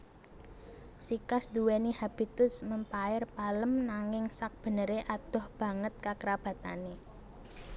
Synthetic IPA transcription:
sikasd̪̥uwenihab̥i̤t̪ʊsməmpaɪrpaləmnaŋɪŋsak̚b̥ə̤nəɾeʔad̪̥ɔ̤hb̥ä̤ŋət̪̚kakəɾab̥a̤t̪a̰ne

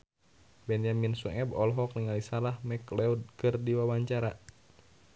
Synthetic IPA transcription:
bɛnjaminsuɛbɔlɦɔk̚niŋalisalahmɛklɛud̚kɨrdiwawaɲt͡ʃaɾa

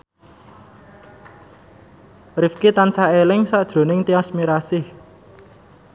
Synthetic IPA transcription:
rɪfkit̪ansaelɪŋsaʔd̥ʒ̥o̤nɪŋt̪iasmiɾasɪh

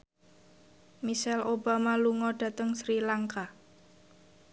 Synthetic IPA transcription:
miʃɛloba̤maluŋɔd̥a̤t̪əŋsɾilaŋka

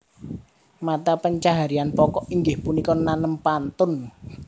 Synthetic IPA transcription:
mat̪apəɲt͡ʃaɦaɾianpɔkɔʔiŋɡɪhpunikɔnanəmpant̪ʊn

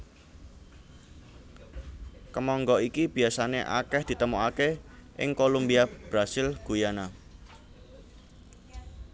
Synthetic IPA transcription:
kəmɔŋɡɔikib̥i̤asaneʔa̰kɛhd̪̥i̤t̪əmoakeʔɪ̰ŋkolumbiab̥ɾasɪlɡ̥ṳjana

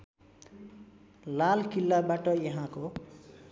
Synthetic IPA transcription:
lalkilːabaʈʌjʌɦãko

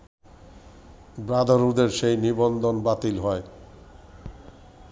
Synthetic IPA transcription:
bɾad̪aɾud̪eɾʃejnibond̪onbat̪ilɦɔe

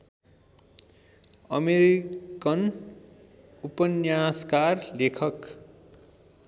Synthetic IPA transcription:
ʌmeɾikʌn | upʌnjaskarlekʰʌk

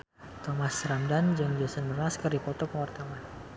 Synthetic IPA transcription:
t̪ɔmasramdand͡ʒəŋd͡ʒɔsənmərmaskərdipɔt̪ɔkəwart̪awan

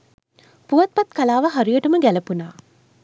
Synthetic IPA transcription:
puʋat̪̚pat̪kalaːʋəɦaɾijəʈəməɡæləpunaː

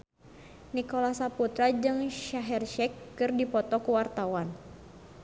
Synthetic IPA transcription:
nikɔlasaput̪ɾad͡ʒɨŋʃaɦɛrʃɛkːɨrdipɔt̪ɔkuwart̪awan

